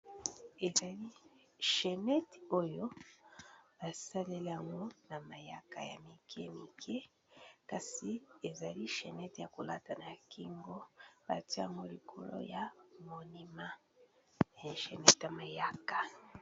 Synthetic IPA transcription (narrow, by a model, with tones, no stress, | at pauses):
e˨za˨li˦ | ʃe˨nɛ˦to˦jo˦ | ba˨sa˦le˦li˦ja˨ŋɡo˦na˨ma˨ja˦ka̰˨ja̰˨mi˨kʰɛ˦mi˨kʰɛ˦ | ka˨si˨e˨za˨li˦ʃe˨nɛ˦tja˨ko˨la˦ta˨na˨ki˦ŋɡo˦b̥a̰˨ti˦a̰˨ŋɡo˦li˨kʰo˨lo̰˦ja˨mo˨ni˦ma˦˨ | ʃe˨nɛ˦ta˨ma˨ja˦ka˨